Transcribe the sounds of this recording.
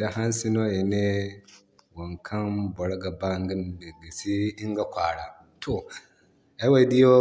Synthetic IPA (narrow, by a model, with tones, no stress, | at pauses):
da˦ɦa˦n˦si˦no˦je˨ne˦ | wa˨ŋkʰa˦nbɔ˨ɽɡa˨ba˦ŋ˦ɡi˦ndi˨ɡi˨si˦i˦ŋ˦ɡa˨kʷaː˨ɽa˨ | tʰo˨ | a˦wa˦di˦jo˦